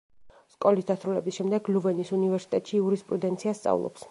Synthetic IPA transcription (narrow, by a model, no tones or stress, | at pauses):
skʼɔlisd̪asɾulɛbisʃɛmd̪ɛɡluvɛnisunivɛɾsi̥t̪ʼɛt̪ʼʃiːuɾispʼɾud̪ɛnt̪sʰiast̪sʼa̰vlˠɔ̰ps